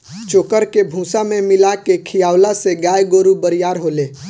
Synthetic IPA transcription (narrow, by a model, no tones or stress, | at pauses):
t͡ʃoːkəɾkebʱũsamẽmɪlakekʰijaːwlaseɡajɡoɾubəɾijaːɾɦole